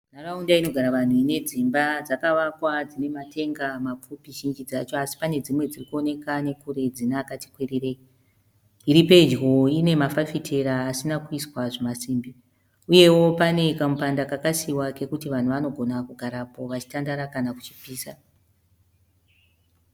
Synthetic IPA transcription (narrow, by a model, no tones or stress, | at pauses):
naraundaino̞ɡʱaɾaʋan̤uine̞d͡zimbad͡zakaʋakwad͡zine̞matʰe̞ŋɡamap͡fupiʃind͡ʒid͡zat͡ʃo̞asi̥pane̞d͡zimwe̞d͡zirikuo̞ne̞kane̞kuɾe̞d͡zinakati̥kwerire̞i | iɾipe̞d͡ʒɣo̞ine̞mafafitʰe̞ɾaːsinakuiswaʐemasiːmbi | uje̞wo̞pane̞kamupandakakasiwake̞kutiʋan̤uʋano̞ɡʱo̞nakuɡʱaɾapo̞ʋat͡ʃi̥tandaɾakanaku̥t͡ʃi̥piːsa